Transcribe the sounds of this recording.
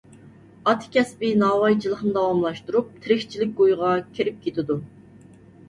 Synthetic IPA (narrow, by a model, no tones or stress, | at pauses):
ɑt̪ʰɪ̥kʲɛspɪnɑːwɑjt͡ʃʰilˠəχnɨd̪ɑwɑmlˠɑʃt̪uɾup̚t̪ʰɪɾɪxʲt͡ʃʰilɪk̚ʲɡojʁɑkʲʰiɾɪp̚kʲʰet̪ʰɪd̪u